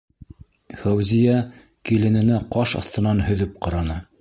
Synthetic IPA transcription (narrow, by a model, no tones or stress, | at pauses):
fæwzʲijæ | kilɘ̆nɘ̆næqɑʃɑ̰θt̪ɤ̆nɑnhɵ̆ðɵp̚qɑ̆ɾɑnɤ